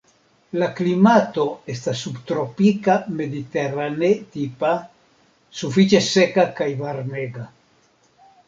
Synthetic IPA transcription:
laklimat̪o̞est̪asːubt̪ɾopikame̞d̪it̪eranet̪ipa | sufit͡ʃesekakajvaɾneɡa

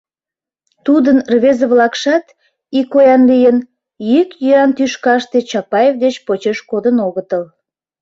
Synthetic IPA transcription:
t̪ud̪ənrβezəβlɑkʃɑt̪ | ikojɑnlijən | jykjøɑnt̪yʃkɑʃt̪et͡ɕɑpɑjevd̪et͡ɕpot͡ɕeʃkod̪ənoɣət̪əl

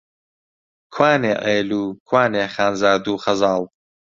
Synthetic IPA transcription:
kʰwaːneːʔeːluːkʰwaːneːχaːnzaːɾd̪uːχɐzɑːlˠ

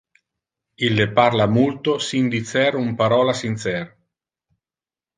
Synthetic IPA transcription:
ilːeparlamult̪osind̪it̪sɛɾumpaɾɔːlasint̪sɛɾ

